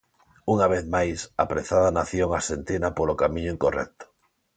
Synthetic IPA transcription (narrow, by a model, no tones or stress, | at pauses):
uŋaβ̞eθmajsa̰pɾeθaðanaθjoŋasent̪enapolokamĩɲʊĩŋkorɛ̰k̚t̪o̥